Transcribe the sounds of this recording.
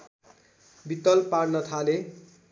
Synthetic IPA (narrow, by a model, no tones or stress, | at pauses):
bit̪ːʌlpaɽnʌt̪ʰale